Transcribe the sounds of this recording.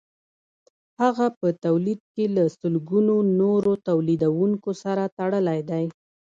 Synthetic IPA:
haɣapət̪awlid̪̚kelasəlɡunonoɾot̪awlid̪awuŋkosaɾat̪aɽəlajd̪aj

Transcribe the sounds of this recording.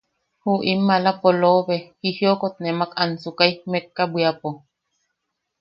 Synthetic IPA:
huʔimːalapoloβehihjokot̪nemakansukaimekːabwiapo

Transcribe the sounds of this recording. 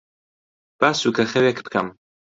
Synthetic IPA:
b̥asukʰaχɛwɛkʰpkʰa̰m

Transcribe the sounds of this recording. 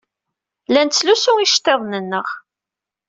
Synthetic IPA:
lænt͡sːlusʊiʃt̪ːeðˤnənːəʁ

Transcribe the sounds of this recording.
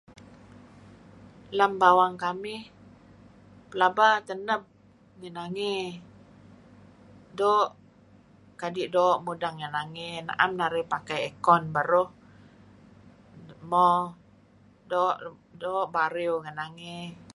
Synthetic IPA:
lambawaŋkamɪh | pəlabat̪ənəp̚ | ŋənaŋi | dɔːʔ | kadiʔdɔʔmudaŋːənaŋena̰ʔamnaɾihpakajɛkɔnbaɾʊh | mɔ | dɔʔdɔʔbaɾiwŋənaŋe

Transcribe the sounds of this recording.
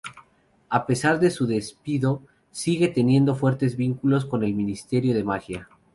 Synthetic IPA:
ape̞saɾðe̞suðe̞spiðo̞ | siɣe̞t̪e̞nje̞nd̪o̞fwe̞ɾt̪e̞zβiŋkulo̞s̬ko̞ne̞lmĩnist̪e̞ɾjo̞ðe̞maxja

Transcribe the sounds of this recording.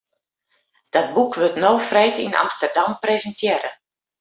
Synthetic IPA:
d̥ɔt̚bukʋøtnowfreːtḭnʔa̰mstərdamprezəntʰjɪɾə

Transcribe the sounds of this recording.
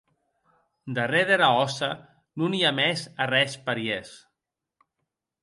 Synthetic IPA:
d̪əreðeɾaɔsa | nuniamɛzarɛspəɾies

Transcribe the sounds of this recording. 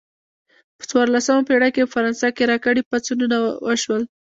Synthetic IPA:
pə̥t͡swɑɾlasamapeɽakepəfaɾɑnsɑkeɾɑkaɽipat͡sununawəʃwəl

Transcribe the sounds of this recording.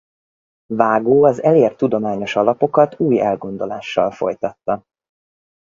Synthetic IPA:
vaːɡoːɒzɛleːrt̪ːud̪o̞maːɲo̞ʃɒlɒpo̞kɒt̪uːjɛ̰lɡo̞nd̪o̞la̰ːʃːɒ̰lfo̞̰jt̪ɒt̪ːɒ

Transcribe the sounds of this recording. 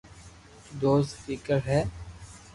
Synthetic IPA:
d̪oːzfiːkəɾɦɛː

